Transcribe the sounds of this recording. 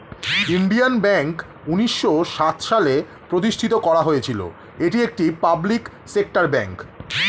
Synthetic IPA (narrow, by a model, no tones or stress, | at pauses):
inɖianbɛŋk | uniʃːoʃat̪ʃale | pɾot̪̬iʃʈʰit̪okɔɾaɦojet͡ɕʰilo̰ | eʈiek̚ʈipablik | sek̚ʈaɾbɛŋk